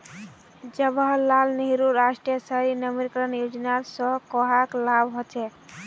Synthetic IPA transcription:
d͡ʒəbəːalniɦiɾuɾasʈɾijəsəɾinəmiɾkɾənjud͡ʒnaɾsɔkɔɦaklabʱɦot͡ʃʰɛ

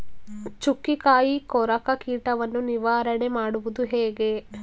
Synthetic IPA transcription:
t͡ʃukːikaːjikɔɾɐkɐkiːʈɐʋɐnːuniʋaːɾɐɳemaːɽuʋud̪uɦeːɡe

